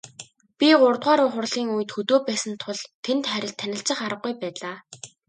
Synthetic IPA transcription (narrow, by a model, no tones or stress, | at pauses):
pʲiɢʊrt̪ʁaːɾʊːχʊrɮiːŋuj̆t̪xɵt̪oːpæːsə̆nt̪ʰʊɮt̪ʰent̪χæɾʲɪ̆ɬt̪ʰːænʲɪ̆ɬt͡sə̆χaɾə̆ɡ̚ɡujpæːɮaː